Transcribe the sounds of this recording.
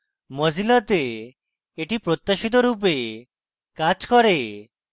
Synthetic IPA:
mɔd͡ʑilɔt̪eː | ʈipɾot̪ːaʃit̪̬ɔɾup̬e | kad͡ʒkɔɾe

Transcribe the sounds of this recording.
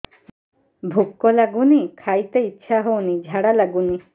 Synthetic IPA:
bʱukːɔlaɡunikʰajt̪eitːʃʰaɦownid͡ʒʱaɽalaɡuni

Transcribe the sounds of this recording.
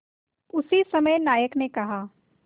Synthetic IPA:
ʊsisɐməjnaːjəknekɐɦaː

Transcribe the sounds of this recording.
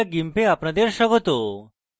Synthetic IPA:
aɡimpeapɳad̪eɾɕəɡot̪o

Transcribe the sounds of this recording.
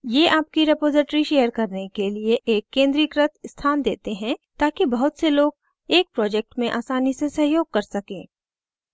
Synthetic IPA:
jeːʔaːp̚kiɾepoːzɪʈɾiʃeːjəɾkɐɾnekelieʔeːkːẽːnd̪ɾiːkɾət̪st̪ʰaːnd̪ḛːt̪eɦɛ̃t̪aːkibɐɦʊt̪seloːɡ | eːk̚pɾɔːd͡ʒɛk̚ʈmẽʔaːsaːnisesɐɦjoːɡ̚kɐɾsɐkḛ̃ː

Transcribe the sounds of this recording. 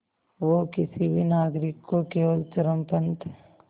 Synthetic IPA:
ʋokɪsibʱinaːɡɾɪkːokeːʋəlt̪əɾəmpənt̪ɦɛ

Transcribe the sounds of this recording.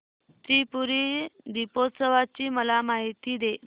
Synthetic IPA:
t̪ɾipuɾid̪ipot̪səʋat͡ɕiːməlamaɦit̪iːd̪e

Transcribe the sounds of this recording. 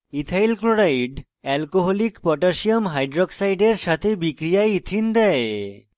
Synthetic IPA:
it̪ʰajlkɾoɽajɖ | ɛlkoɦolikpɔʈaʃiomɦajɖɾoksajɖeɾʃat̪ʰebikɾijait̪ʰind̪ɛe

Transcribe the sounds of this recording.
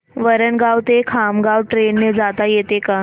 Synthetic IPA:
ʋəɾəɳɡawt̪ekʰamɡawʈɾenːed͡zat̪ajet̪eka

